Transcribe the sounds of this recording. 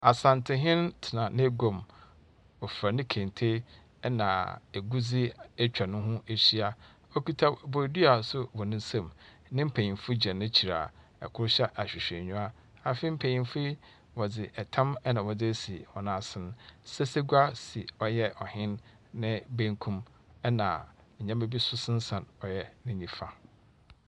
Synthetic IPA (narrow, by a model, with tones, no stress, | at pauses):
a˨sã˨ntʰɪ˨ɦɪ̃˦ntʰɪ˨nã˨nɪ̃˦ɡo˨m | ɔ˨fɾa˨nɪ̃˦kʰẽ˨n˨tʰe˦ | nã̰˨e˨ɡu˦d͡zɪ˦ɛ˦t͡ɕᶣa˨nʊ̃˦ɦʊ̃˦ʔe˦ɕi˦a˨ | ɔ˦ki˦tʰa˦˨bo˨ɾdi˦a˨sʊ˦bɔ˨nɪ̃˦n̩˦sã˦˨m | nɪ̃˦m̩˦pʰẽ˨ɲĩ˨fu˦d͡ʑɛ̃˨nʊ̃˦t͡ɕʰi˨ɾa̰˨ | ɛ̰˨kʰʊ˦ɾɕɛ˦ʔa˨ɕᶣi˨ɕᶣɛ˨ɲũ˦a˦ | a˨fi˦m̩˦pʰe˨ɲĩ˨nfi˦ | wɔ˨d͡zɪ˨ʔɛ˨tʰã˦mɛ˦nã˨wɔ˨d͡zɪ˦e˦si˨ɔ˨nãː˦sɪ̃˦ñ˦sɛ˦se˦ɡu˦a˦si˨ɔ˦jɛ˦ʔɔ˨hɪ̃˦nː | ɪ̃˦bẽ˦ŋkʰũ˦m | ɛ˦nã̰˨ | ɲã˦me˦bi˦sʊ˦sɪ̃˦n̩˦sã˨nɔ˨jɛ˦nɪ̃˦ɲĩ˦fa˨